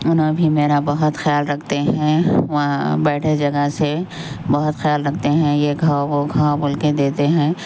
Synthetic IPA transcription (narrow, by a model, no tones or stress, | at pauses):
ʊnɦõbʱimeːɾabɐɦʊt̪xjaːlɾɐkʰt̪eɦɛ̃ʋãbɛːʈʰed͡ʒɐɡəse | bɐɦʊt̪xjaːlɾɐkʰt̪eɦɛ̃jeɡʱɐwaoɡʱawabʊlked̪eːt̪eɦɛ̃ː